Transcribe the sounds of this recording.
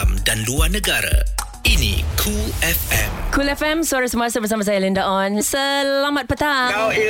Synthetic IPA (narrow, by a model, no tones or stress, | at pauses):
mdanluarnə̃ɡaɾa̰ | inḭkʰuɛfɛ̰̃mkʰulɛfɛ̃msaɾisəmasəbəs̬amas̬ajalindaʔɔ̃nsəlamat̪̚pət̪a